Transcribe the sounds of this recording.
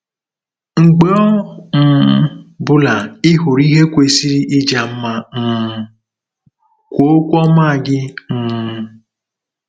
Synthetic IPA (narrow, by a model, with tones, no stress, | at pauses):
ŋ͡m̩˨ɡ͡be˦ɔ˦n̩˨˦bʊ˦la˨ɪ˦ɦʊ˨ɾi˦ɦe˦kʷe˨si˦ɾi˦ʔɪ˦d͡ʒa˨m̩˦ma˨n̩˨ | kʷo˦o˦kʷɔ˦ma˦˨ɡɪ˦n̩ː˦˨